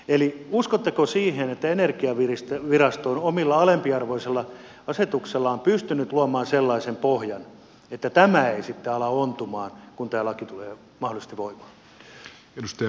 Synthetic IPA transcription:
eliuskot̪ːekosiːhenet̪ːæenerkiɑʋirist̪ʋirɑst̪oonomilːɑɑlempiɑrʋoiselːɑ | ɑset̪ukselːɑompyst̪ynyt̪luɑmɑːnselːɑisempohjɑn | et̪ːæt̪æmæeisit̪ːeɑlɑont̪umɑːnkunt̪æːlːɑkit̪uleː | mɑhˑolˑise̥st̪iʋʋoimɑ̥ː | enust̪

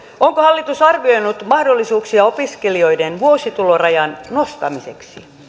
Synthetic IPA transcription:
oŋkohɑlːit̪usɑrʋioinut̪mɑhdolːisuːksiɑopiskelio̞idenʋuosit̪ulorɑjɑnnost̪ɑmiseksḭ

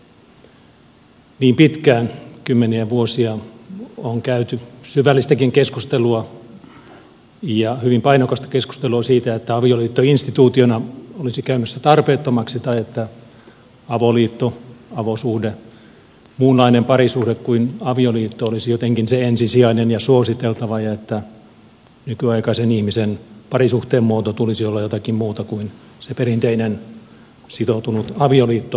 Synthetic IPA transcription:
niːmpit̪kæːnkymːeniæʋuosiɑ | oŋkæyt̪ysyʋælːist̪ækiŋkeskust̪eluɑ | jɑhyʋimpɑinokɑst̪ɑ̥kesku̥st̪eluɑsiːt̪æet̪ːæɑʋioliːt̪ːoinst̪it̪uːt̪ionɑolisikæymæsːæt̪ɑrpeːt̪ːomɑksit̪ɑiet̪ːæ | ɑʋoliːt̪ːoɑʋosuhde | muːnlɑinempɑrisuhdekkuinɑʋioliːt̪ːoolisijot̪eŋkinseensisiɑinenjɑsuosit̪elt̪ɑʋɑjɑet̪ːæ | nykyɑikɑisenihmisenpɑrisuht̪eːmmuot̪ot̪ulisiolːɑjot̪ɑkimmuːt̪ɑkuin | seperint̪einen | sit̪ot̪unut̪ɑʋioliːt̪ːo

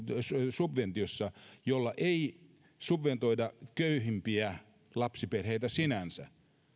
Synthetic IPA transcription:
ssubʋent̪iosːɑjolːɑʔei | subʋent̪oidɑkøyhimpiæ | lɑpsiperheit̪æsinænsæ̰

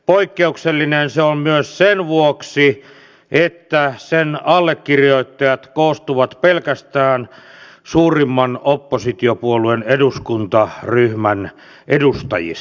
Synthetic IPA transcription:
poikːeukselːinenseommyøssenʋuoksi | ʔet̪ːæsenɑlːekːirjoit̪ːɑjɑt̪koːst̪uʋɑt̪pelkæst̪æːn | suːrimːɑnopːosit̪iopuolueneduskunt̪ɑryhmæn | ʔedust̪ɑ̰jḭs

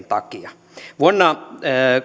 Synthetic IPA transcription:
nt̪ɑkiɑ | ʋuonːɑ

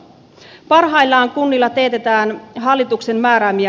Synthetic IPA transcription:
pɑrɦɑjlːɑːŋkunːilːɑt̪e̞ːt̪et̪æːnɦɑlːit̪ukse̞mːæːɾæmiæ

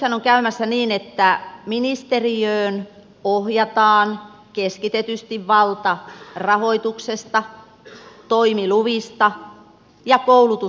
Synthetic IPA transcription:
ænoŋkæymæsːæniːnet̪ːæminist̪eriøːn | ohjɑt̪ɑːn | keskit̪et̪yst̪iʋʋɑlt̪ɑrɑhoit̪uksest̪ɑ | t̪oimiluʋist̪ɑ | jɑkoulut̪u

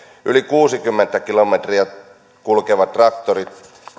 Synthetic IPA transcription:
ʔylikuːsikymːent̪ːækilomet̪riæ | kulkeʋɑt̪rɑk̚t̪orit̪

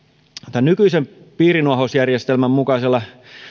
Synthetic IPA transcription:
t̪ænnykyisem | piːɾinuɑɦosjærjest̪elmæmmukɑiselːɑ

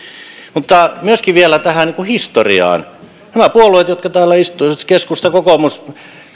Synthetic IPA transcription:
mut̪ːɑmyøskiʋielæt̪æhæniŋkuhist̪orḭɑ̰ːn | næmæpuoluet̪jot̪kɑt̪æːlːæist̪uiʋɑt̪keskust̪ɑkokomus

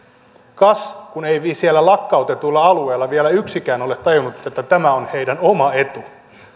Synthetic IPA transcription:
kɑskuneiʋisiælːælɑkːɑut̪et̪ulːɑɑlueːlːɑʋielæyksikæːno̞let̪ːɑjunut̪et̪ːæt̪æmæonhe̞ijdænomɑe̞t̪u

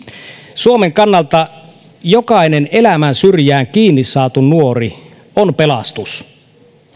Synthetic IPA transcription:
suomeŋkɑnːɑlt̪ɑ | jokɑinene̞læmænsyrjæːŋkiːnːisːɑːt̪unuori | onpelɑst̪us

